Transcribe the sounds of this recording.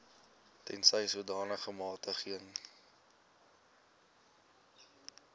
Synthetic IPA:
tɛ̰nsəjsudɑːnəχəmɑːtəχiəŋ

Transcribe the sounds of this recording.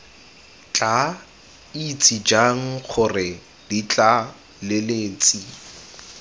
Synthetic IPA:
t͡ɬʼa | it͡sʼid͡ʒaŋ̩χʰʊrɪ | dit͡ɬʼa | lɪleːt͡sʼi

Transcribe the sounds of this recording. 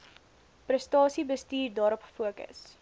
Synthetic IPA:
prəstɑːsibəstiːrdɑːɾɔpfuəkə̰s

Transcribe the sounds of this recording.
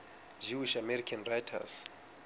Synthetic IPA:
d͡ʒuwiʃamɛɾikʰanrajtʰa̰s

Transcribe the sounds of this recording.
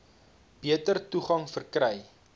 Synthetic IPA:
b̥iətərtuχɐŋfərkɾɛj

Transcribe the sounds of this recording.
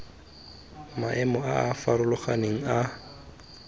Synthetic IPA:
maʔɛmɔaafaɾʊlʊχaneŋ̩a

